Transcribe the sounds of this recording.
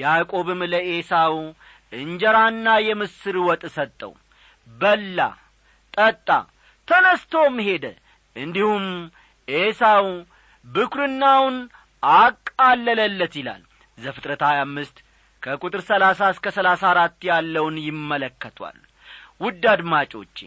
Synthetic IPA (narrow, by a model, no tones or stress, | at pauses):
jakʼo̞βɨmləʔesaw | ʔɨɲd͡ʒɛɾanːajɛmɨsɨɾwɔt̪ʼsət̪ʼːə̰w | bəlːa̰ | t̪ʼət̪ʼːa̰ | t̪ʰənəst̪ʰo̞mːɦe̞d̪ə̰ | ʔɨnd̪ihum | ʔesaw | bɨkʰɾɨnːawn | akʼːalːələlːət̪jɪla̰l | zəfɨt̪ʼɾət̪hajamːɨst̪ | kʰəkʼut̪ʼɨɾsəlasaskəsəlasaɾat̪ːjalːəwnjɪmːələkːət̪ʰwa̰l | wʊd̪ːad̪mat͡ʃʼo̞̰t͡ʃː